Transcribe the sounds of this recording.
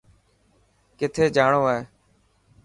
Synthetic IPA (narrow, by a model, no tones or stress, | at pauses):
kɪt̪ʰeːd͡ʒaːɳoːeː